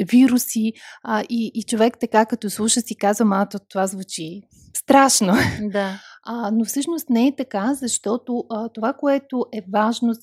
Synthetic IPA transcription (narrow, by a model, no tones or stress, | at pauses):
viɾusiʔiːt͡ʃovɛkt̪ɐkakɐt̪ɔslˠuʃəsikazvəmalˠt̪ot̪ovazvut͡ʃi | st̪ɾaʃnod̪anofsɤʃnost̪nɛɛt̪ɐkazɐʃt̪ɔt̪oət̪ovakoɛt̪oʔɛvaʒno